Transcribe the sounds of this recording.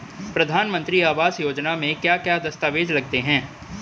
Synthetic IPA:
pɾɐd̪ʱaːnmə̃nt̪ɾiaːʋaːsjoːd͡ʒnamẽkjaːkjaːd̪ɐst̪aːʋeːd͡ʒlɐɡ̚t̪eɦɛ̃ː

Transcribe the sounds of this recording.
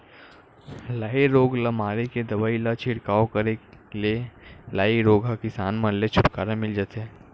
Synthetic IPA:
laːiɾoːɡlamaːɾeked̪ɐbaːilat͡ʃʰɪɽkaːokɐɾelelaːiɾoːɡakɪsaːnmɐnlet͡ʃʰʊʈkaːɾamɪld͡ʒat̪ɦɛː

